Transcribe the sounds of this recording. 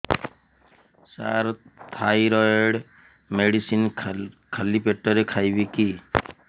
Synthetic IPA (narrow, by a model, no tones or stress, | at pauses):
sa̰ɾt̪ʰajɾɔjɽ | meɽisin | kʰalipeʈːɔɾekʰajbiki